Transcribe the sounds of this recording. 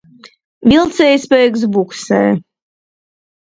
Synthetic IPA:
vʲilˠt̪sɛjspɛjks̬buksɛ̰j

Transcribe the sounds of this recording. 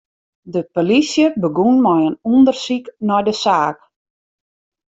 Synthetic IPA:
dəpolisjəbəɡunmɔjənundərsiknɔjdəsaːk

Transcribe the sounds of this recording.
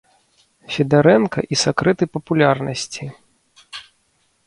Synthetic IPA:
fʲid̪aɾɛnkɐ̰ʔisakɾɛt̪ɨpɐpulʲarnɐsʲt͡sʲi

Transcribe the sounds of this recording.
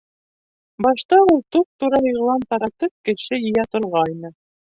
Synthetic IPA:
bɑʃt̪ɑulˠt̪up̚t̪uɾɑjɤ̆ʁlˠɑnt̪ɑɾɑt̪ɤp̚kɘ̆ʃɘjɘ̆jæt̪ŏɾʁɑjnɤ

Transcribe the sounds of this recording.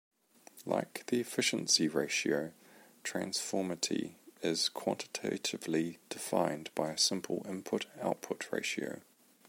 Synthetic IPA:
lʔa̰ɪkðiɪfɪʃə̃nsiɹeɪʃiəʊ | tʰɹ̥ã̰nsfɔːmətʰḭɪz̥kʰw̥ɒ̰̃ntɪ̥tʰḛɪtʰɪvlid̥ɪfã̰ɪ̃nbaɪəsɪ̃mpʰə̰lɪ̃mpʰʊtaʊʔ̚pʰʊʔʰɹḛɪʃiə̰ʊ

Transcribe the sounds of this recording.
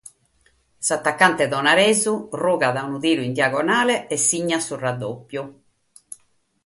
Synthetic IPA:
sat̪ːakːant̪ɛðɔnaɾɛːzuruːɣaðaunuðiːɾuind̪jaɣɔnaːlɛɛsːiɲːasurad̪ːopːju

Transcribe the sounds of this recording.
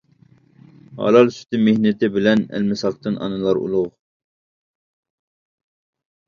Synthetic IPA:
hɑ̰lˠɑlˠsy̥t̪ɪmehnɪt̪ʰɪbɪlɛnæ̰lmɪsɑq̚t̪ɨnʔɑ̰nɨlˠɑɾṵlˠʊʁ

